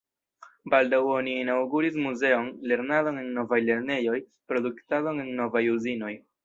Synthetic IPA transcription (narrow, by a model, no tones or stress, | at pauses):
baldawo̞niinawɡuɾis̬muze̞o̞nle̞ɾnado̞ne̞nno̞vajle̞ɾne̞jo̞j | pɾo̞duktado̞nenno̞vajuzino̞j